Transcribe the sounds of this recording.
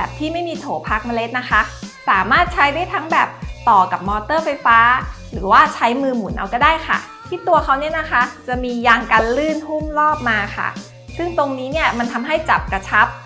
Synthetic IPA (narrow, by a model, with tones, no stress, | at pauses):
bɛː˨˩p̚t̪ʰiː˥˩ma˥˩jmiː˧t̪ʰoː˩˦pʰaː˦˥k̚ma˧le˦˥t̪̚na˦˥kʰa˦˥saː˩˦maː˥˩t̪̚t͡ɕʰa˦˥jda˥˩˨jt̪ʰa˦˥ŋbɛː˨˩p̚t̪ɔː˨˩ka˨˩p̚mɔː˧t̪ɤː˥˩fa˧jfaː˦˥ | ɾɯː˩˦waː˥˩t͡ɕʰa˦˥jmɯː˧mu˨˩˦nʔa̰˧wkɔː˥˩daː˥˩jxʰa̰˥˩ | t̪ʰiː˥˩t̪u˧ɐxʰa˦˥wni˦˥ɐna˦˥kʰa˦˥t͡ɕa˨˩miː˧jaː˧ŋka˧nlɯː˥˩nhu˥˩mlɔː˥˩p̚maː˧kʰa̰˥˩ | sɯ˥˩ŋt̪o˧ŋniː˦˥ni˥˩ɐma˧nt̪ʰa˧mɦa˥˩jt͡ɕa˨˩p̚kɾa˧t͡ɕʰa˦˥p̚